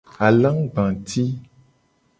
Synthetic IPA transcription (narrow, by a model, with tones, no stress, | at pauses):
a˨lã˦ŋɡ͡bã˨t̪ʰi˦